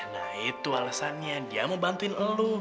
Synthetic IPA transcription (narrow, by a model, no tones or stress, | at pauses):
nait̪ualasanɲadiaməbant̪uinəlu